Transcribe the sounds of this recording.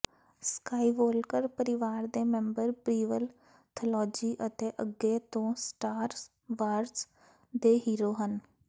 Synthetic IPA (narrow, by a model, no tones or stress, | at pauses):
skaːiːʋoːlkəɾpəɾɪʋaːɾd̪eːmɛ̃ːmbəɾpɾiːʋəl | t̪ʰəlɔːd͡ʒiːʔət̪eːʔəɡːeːt̪õːsʈaːɾ | ʋaːɾs | d̪eːɦiːɾoːɦən